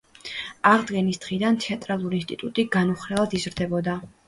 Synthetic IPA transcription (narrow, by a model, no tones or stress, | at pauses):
aʁd̪ɡɛnisd̪̥ʁid̪ant̪ʰɛat̪ʼɾalˠuɾiːnst̪ʼit̪ʼut̪ʼiɡanuχɾɛlˠad̪izɾd̪ɛbɔd̪a